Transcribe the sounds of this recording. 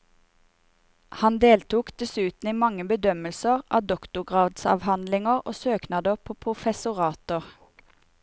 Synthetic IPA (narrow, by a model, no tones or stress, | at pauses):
hɑnd̪eːlt̪uːkd̪ɛsʉːt̪n̩iːmɑŋəbəd̪œməlsəʁɑ̰ːd̪ɔkt̪ʊɡʁɑːd̪sɑ̰ʋhɑnd̪lɪŋəʁo̰ːsøːknɑːd̪əʁpʰoːpʰʁʊfɛsʊʁɑːt̪əʁ